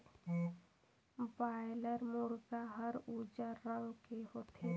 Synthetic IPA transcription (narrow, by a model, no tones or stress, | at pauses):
baːɪləɾmoɾɡaɦəɾud͡ʒəɾːəwkeɦoːt̪ʰe